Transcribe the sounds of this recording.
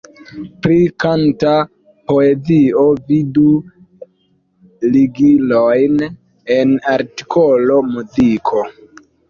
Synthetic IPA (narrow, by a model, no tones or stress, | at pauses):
pɾikanta | po̞ezio̞vidu | liɡilojn | enaɾti̥kʰolo̞muzikʰo̞